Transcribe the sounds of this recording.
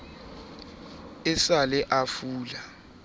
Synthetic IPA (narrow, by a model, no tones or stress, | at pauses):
ɪsalɛʔafuːla